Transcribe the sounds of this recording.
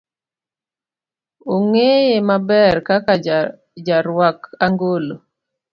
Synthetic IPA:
oŋejemabɛrkaka | d͡ʒaɾwakaŋɡolo

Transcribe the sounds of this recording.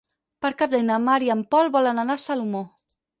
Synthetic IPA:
pəɾkap̚d̪ɛjnəmaɾiəmpɔlˠβɔlənanasalumo

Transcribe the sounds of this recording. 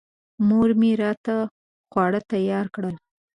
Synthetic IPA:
moɾmiɾɑt̪a | xwɑɽət̪ajɑɾkɽəl

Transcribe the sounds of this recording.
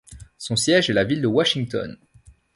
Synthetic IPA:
sɔ̃sjɛʒɛlavild̪əwaʃiŋt̪ɔ̰n

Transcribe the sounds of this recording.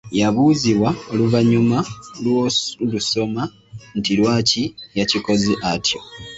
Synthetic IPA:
jaβuːziβwaoluvaɲumalwoluso̞ma | ntilwaːcijaciko̞ziʔatjo̞

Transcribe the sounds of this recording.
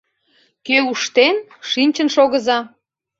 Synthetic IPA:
køuʃt̪enʃinʲt͡ɕənʃoɣəzɑ

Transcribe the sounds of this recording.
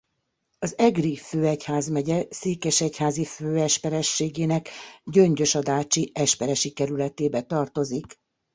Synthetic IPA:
ɒzɛɡriføːɛchaːzmɛɟɛseːkɛʃɛchaːziføːɛʃpɛɾɛʃːeːɡeːnɛkɟø̞ɲɟø̞ʃɒd̪aːt͡ʃiɛʃpɛɾɛʃikɛɾylɛt̪eːbɛt̪ɒrt̪o̞zik

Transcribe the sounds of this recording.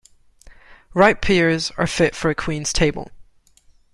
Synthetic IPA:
ɹaɪt̚pʰɪɹzə̰˞fɪtfə˞ɨkʰw̥ĩnz̥tʰeɪbə̰lˠ

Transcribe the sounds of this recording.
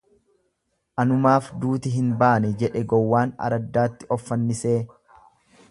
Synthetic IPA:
ʔɐnʊmaːfd̪uːt̪ɪɦɪnbaːnɛd͡ʒɛᶑɛɡɔwːaːnɐ̰ɾɐd̪ːaːt̪ːɪʔɔfːɐnːɪseː

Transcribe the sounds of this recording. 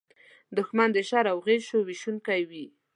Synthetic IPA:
d̪ʊxmand̪əʃaɾawɣeʃowiʃunkajwi

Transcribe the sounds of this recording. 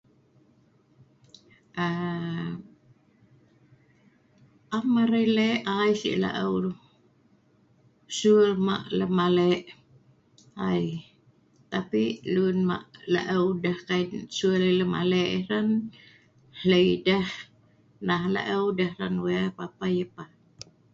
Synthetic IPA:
ə | ʔamaɾəjleʔajsḭʔla̰ʔəwɾ | suərma̰ʔləmalɛʔ | aj | t̪apiʔlunma̰ʔla̰ʔəwdahkaisuələləma̰lɛʔiɾan | hləjdah | nahla̰ʔəwdahɦɾanwapapajəpa

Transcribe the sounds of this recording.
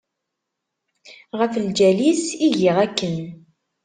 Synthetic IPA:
ʁəfəld͡ʒælisiʝiʁækːən

